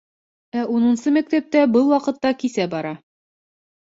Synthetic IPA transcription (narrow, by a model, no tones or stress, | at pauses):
æʔunɤ̆nsɤmæk̚t̪æp̚t̪æbɤlˠwɒqɤ̆t̪ːɑkisæbɒɾɑ